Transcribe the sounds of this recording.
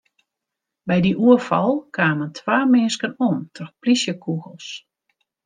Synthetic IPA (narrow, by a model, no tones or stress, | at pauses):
bɛjdiʔuəfɔ̰lˠkʰaːməntʰwaːmeːskənoəntʰɔxplisjəkʰuɣəlˠs